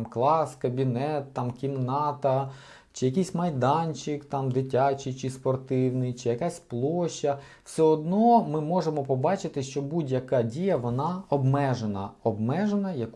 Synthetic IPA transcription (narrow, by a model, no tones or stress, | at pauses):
mklˠɑskɐbʲinɛt̪ːɑmkʲimnɑt̪ɐ | t͡ʃɪjɐkijsʲmɐjd̪ɑnʲt͡ʃɪkt̪ɑmd̪ɪtʲat͡ʃɪjt͡ʃɪspɔrt̪ɪwnɪjt͡ʃɪjɐkasʲplˠɔʃːɐ | wsʲɛɔd̪nɔmɪmɔʒemɔpɔbɑt͡ʃɪt̪ɪʃt͡ʃɔbudʲjɐkɑdʲijɐʋɔnɑɔbmɛʒenɐ̰ɔbmɛʒenɐjɐk